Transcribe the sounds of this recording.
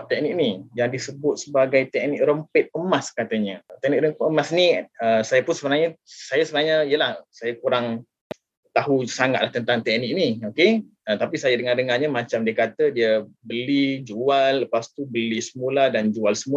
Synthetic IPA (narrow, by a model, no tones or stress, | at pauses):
t̪ɛk̚nɪk̚nijaŋdisəbʊt̪̚səbaɡajt̪ɛk̚nɪk̚rəmpət̪̚əmaskat̪əɲət̪ɛk̚nɪk̚ɾəmpəmasniəsajapʊnsəbənaɲəsajasəbənaɲəijəlahsajakuɾaŋ | t̪aɦusaŋat̪laht̪ənt̪aŋt̪ɛk̚nɪk̚nioke | ət̪apisajadəŋadəŋaɲamat͡ʃamdiəkat̪ədiəbəlid͡ʒualːəpast̪ubəlisəmuladand͡ʒualsəmu